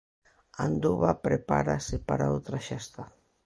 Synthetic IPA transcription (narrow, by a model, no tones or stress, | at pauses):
and̪uβapɾepaɾasepaɾaowt̪ɾaʃɛst̪a